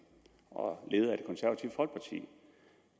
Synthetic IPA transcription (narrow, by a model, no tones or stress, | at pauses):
ɒ̽le̝ːð̞̩ˠæ̥kʰɒ̽nsæɐʋæt͡sʰiʊ̥fɒ̽lɡ̥̚pʰɑ̈t͡sʰḭː